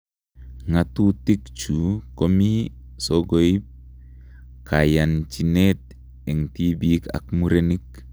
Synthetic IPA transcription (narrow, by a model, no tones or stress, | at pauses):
ŋatutikt͡ʃukomi | soɡoip̚ | kajant͡ʃinet | eŋtibika̰kmuɾenik̚